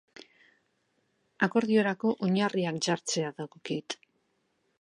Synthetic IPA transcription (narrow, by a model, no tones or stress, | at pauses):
ako̞ɾðio̞ɾako̞ʔoɲariakʝaɾt͡se̞aðaɣo̞kit̪